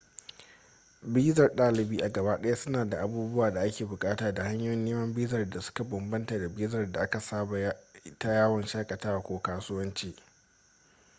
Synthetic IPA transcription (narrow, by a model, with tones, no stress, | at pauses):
biː˦zɐ˨rɗaː˦lɪ˨biː˦ʔa˨ɡɐ˨baː˦ɗɐ˦ja˦sʊ˦naː˨da˨ʔa˨buː˦bʊ˦waː˨da˨ʔa˦kʲeː˨bʊ˨kʼaː˦taː˨da˨ha˦ɲjoː˦jɪ˦nːeː˦mɐ˦mbiː˦zɐ˨rda˨sʊ̥˦ka˨bɐ˨mbɐ˦ntaː˨da˨biː˦zɐ˨rda˨ʔa˦ka˨sa˦ba˨˦ta˦jaː˦wɐ˨nʃaː˦kʼɐ˨taː˦wa˨kʷoː˦kaː˦sʊ˦wɐ˦nt͡ʃiː˦